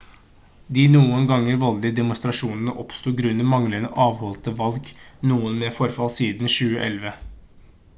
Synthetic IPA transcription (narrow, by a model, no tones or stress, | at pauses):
d̪ɪnuːənɡɑŋːəɾʋɔld̪ɪd̪ɛmʊst̪ɾɑʂuːnənəʔɔpst̪uːɡɾʉnːəmɑŋlənəʔɑːʋhɔlt̪əʋɑlɡnuːənmɛfɔɾfɑlsiːd̪nʃʉːəʔɛ̰lʋə